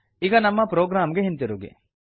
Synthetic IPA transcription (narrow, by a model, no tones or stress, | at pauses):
iɡɐnɐmːɐpɾoːɡɾaːmɡeɦint̪iɾuɡḭ